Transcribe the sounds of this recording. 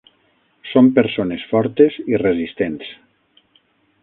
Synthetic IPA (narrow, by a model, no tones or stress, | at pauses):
sompeɾsonesfɔɾt̪ezirezist̪ens